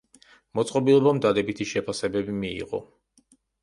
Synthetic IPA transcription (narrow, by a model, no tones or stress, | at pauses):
mɔt̪sʼqʼɔbilˠɔbamd̪ad̪ɛbit̪ʰiʃɛpʰasɛbɛbimiḭʁɔ̰